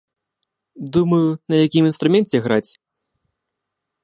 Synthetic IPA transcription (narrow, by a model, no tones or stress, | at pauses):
d̪umɐjunɐjakʲiminst̪ɾumʲɛnt͡sʲɛɣɾat͡sʲ